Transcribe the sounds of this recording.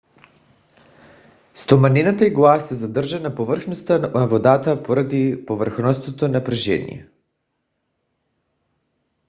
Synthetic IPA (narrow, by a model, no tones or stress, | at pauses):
st̪omanɛnat̪aiɡlˠasɛzad̪rʒanapovr̩xnost̪anaavod̪at̪apoɾad̪ipovər̩xnɔst̪vot̪onapɾɛʒɛ̰nḭɛ̰